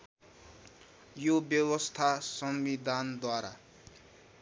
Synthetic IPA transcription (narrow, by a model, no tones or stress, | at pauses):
jobjʌwʌst̪ʰasʌmbid̪ʱand̪waɾa